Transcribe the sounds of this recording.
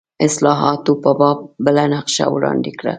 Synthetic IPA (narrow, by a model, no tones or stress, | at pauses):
ɪslɑɦɑt̪opəbɑb̚bəlanaqʃa̰wɽɑ̰nd̪ekɽa̰